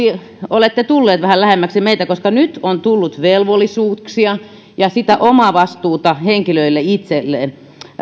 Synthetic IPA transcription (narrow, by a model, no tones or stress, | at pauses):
i | olet̪ːet̪ulːeːt̪ʋæhællæhemːæksimeit̪ækoskɑnyt̪ont̪ulːut̪ʋelʋolːisuːksiɑ | jɑsit̪æʔomɑʋɑst̪uːt̪ɑheŋkiløilːeit̪selːḛː